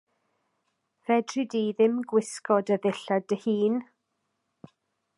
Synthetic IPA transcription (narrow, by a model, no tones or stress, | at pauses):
v̥ɛdrɨdiðɪmɡwɪskɔdəðɪɬadəhiːn